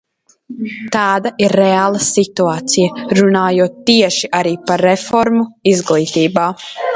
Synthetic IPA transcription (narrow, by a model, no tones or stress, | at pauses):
t̪aːd̪ɐʔiɾːɛaːlˠɐsit̪uaːt̪sijɐɾunaːjuɔt̪ːiɛʃiʔaɾiːpaɾːɛfɔɾmuizɡlˠiːt̪iːbaː